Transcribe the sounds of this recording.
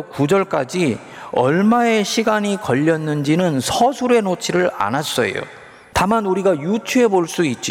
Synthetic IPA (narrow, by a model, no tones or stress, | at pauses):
kud͡ʑʌɭk͈ad͡ʑi | ʌɭmae̞ɕʰiɡaɲikʌʎːʌnːɯnd͡ʑinɯnsʰʌsʰuɾe̞not͡ɕʰiɾɯɾa̰nas͈ʌjo̰ | tamanuɾiɡajut͡ɕʰue̞boɭs͈uit̚t͡ɕ͈i